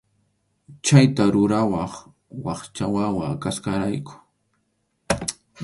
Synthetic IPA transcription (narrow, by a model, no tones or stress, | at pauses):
t͡ʃajt̪aɾʊɾawɑχ | wɑχt͡ʃawawakaskaɾajkʊ̥